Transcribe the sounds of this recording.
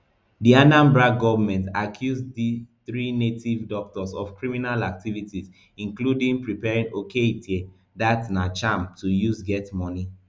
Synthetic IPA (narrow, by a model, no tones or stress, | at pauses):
dianãmbɹak̚ɡɔvɔmɛ̃ntakʰjuzdiθɹinetivdɔk̚tɔsɔfkɹiminalak̚tivitiz | ĩnkludĩŋpɹipɛɹĩnoketʰe | datnat͡ʃãmtujusɡɛtmɔni